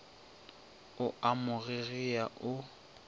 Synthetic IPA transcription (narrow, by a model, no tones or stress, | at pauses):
ʊamʊɣeɣiaʔʊ